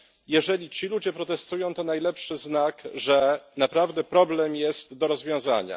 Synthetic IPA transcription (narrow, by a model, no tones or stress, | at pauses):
jɛʐɛlʲit͡ɕilud͡ʑɛpɾɔt̪ɛst̪ujɔ̃w̃t̪ɔnajlɛpʂɘznakʐɛnapɾavd̪ɛpɾɔblɛmjɛst̪d̪ɔɾɔzvʲjɔ̃w̃za̰ɲa̰